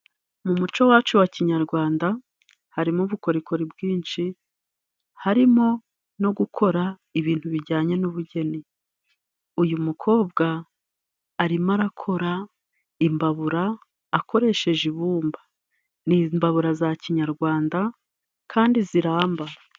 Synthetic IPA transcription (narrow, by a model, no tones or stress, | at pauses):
mumut͡ʃo̞waːt͡ʃuwaciɲaɾɡwaːnda | haɾimuβuko̞ɾikʰo̞ɾibɡiːnʃi | haɾimo̞ | no̞ɡukʰo̞ɾaiβiːnthuβiɾɟaːɲe̞nuβuɟe̞ni | ujumukʰo̞ːbɡaː | ɾimaɾakʰo̞ɾa | imbaβuɾaː | ko̞ɾe̞ʃe̞ʒiβuːmba | nimbaβuɾazaciɲaɾɡwaːnda | kʰaːndiziɾaːmba